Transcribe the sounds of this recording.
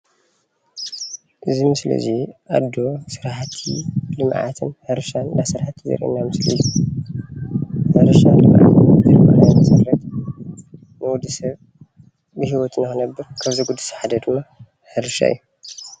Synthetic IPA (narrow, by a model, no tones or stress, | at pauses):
ʔɨzimɨslḭziʔad̪ːo̞sɨɾħat̪ʰḭlɨmʕa̰t̪ʰɨnhɐɾɨʃannasɨɾħat̪ʰizɐ̰ɾʔḭnːamɨslḭjːu | hɐɾɨʃalɨmʕa̰t̪ɨzɐlmɐɾajmɐsɐɾɾɐt̪ | nɨwud̪ɨsɐβ | bɨɦiwɔt̪ʰɨnakɨnɐbːɨɾkʰaβzijɡud̪ːɨ̥sħad̪ɐd̪ɨmːa | hɐɾɨʃa̰ɨ̰jːu